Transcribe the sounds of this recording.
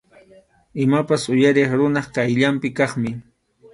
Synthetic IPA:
ɪmapasʊjaɾɪχɾʊnɑχkajʎampɪkɑχmɪ

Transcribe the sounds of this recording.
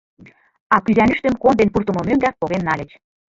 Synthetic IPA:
ɑkyzænɘʃt̪ə̆mkond̪enpurt̪ə̆mɤ̆møŋɡæst̪̚poɣenːɑlʲĕt͡ɕ

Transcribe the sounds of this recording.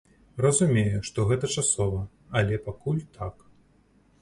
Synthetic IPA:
rɐzumʲejuʂt̪ɔɣɛt̪ɐt͡ʂasɔvɐ | ɐlʲɛpakulʲt̪ʰak

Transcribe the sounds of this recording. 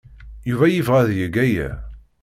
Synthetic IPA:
juvæjivʁæðjəɡæjæ̰

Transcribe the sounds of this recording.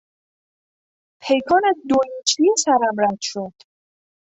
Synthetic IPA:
pʰe̞jkʰɒːnæzd̪oit͡ʃʰisæɾæmɾæt̪ʃod̪̥

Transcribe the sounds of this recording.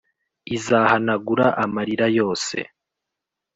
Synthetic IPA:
izaːhanaɡuɾaʔamaɾiɾajo̞ːse̞̰

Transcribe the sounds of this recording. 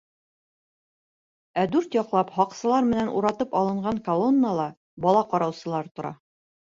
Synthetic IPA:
æd̪ʉɾt̪jɒqlˠɑphɒqsɤ̆lˠɑɾmɘ̆nænʔuɾɑt̪ɤpɒlˠɤ̆ɴɢɑŋkolˠonːəlˠɑ | bɒlˠɑqɒɾɑwsɤ̆lˠɑɾt̪ŏɾɑ̰

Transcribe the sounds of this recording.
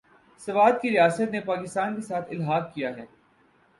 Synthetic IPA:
sɐʋaːd̪̚kiɾɪjaːsət̪nepaːkɪst̪aːnkesaːt̪ʰɪlɦaːk̚kijaɦɛː

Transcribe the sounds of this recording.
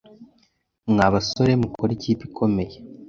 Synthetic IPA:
mŋaβaso̞ɾemukʰoɾiciːpikʰo̞me̞je

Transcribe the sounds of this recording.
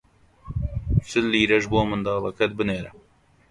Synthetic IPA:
sɨlːiːɾɐʒboːmɨnd̪ɑːlˠɐkʰɐt̪̚bɨneːɾɐ

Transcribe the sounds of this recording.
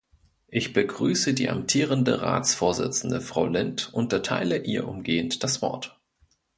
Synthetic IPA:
ʔɪçb̥əɡʁyːsədiːʔa̰mtʰiːʁəndə̰ʁa̰ːt͡sfoːɐzɪ̰t͡sn̩dəfʁ̥aʊlɪntʔʊntɐtʰa̰ɪləʔiːɐʔʊmɡeːəntd̥asv̥ɔ̰ɐt

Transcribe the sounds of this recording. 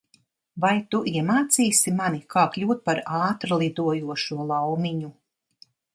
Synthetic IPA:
vajt̪uʔiɛmaːt̪siːsimanikʰaːklʲuːt̪̚paɾaːt̪ɾlˠid̪uɔjuɔʃuɔlˠawmiɲu

